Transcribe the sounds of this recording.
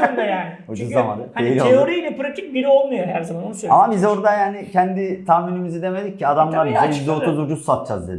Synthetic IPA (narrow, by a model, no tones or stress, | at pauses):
nd̪ajaːnɪud͡ʒuzama̰nd̪haeɾiooɾijilʲɛpɾat̪ʰik̚biɾio̞lˠmajoɦæɾzamansøamabizo̞ɾd̪ajaːnɪcʰɛnd̪it̪ʰaːminymizid̪e̞me̞d̪ic̚ʲcːiad̪amlˠaɾbizeid̪ouzud͡ʒussat̪̚t͡ʃa̰zd̪ed̪